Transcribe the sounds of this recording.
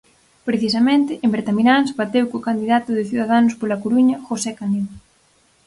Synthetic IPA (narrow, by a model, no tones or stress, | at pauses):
pɾeθisɐmẽnt̪ɪʔembeɾt̪aminãnsβat̪ewkokand̪iðat̪ʊðɪθiðaðanʊspolɐkoɾuɲɐxosɛkanew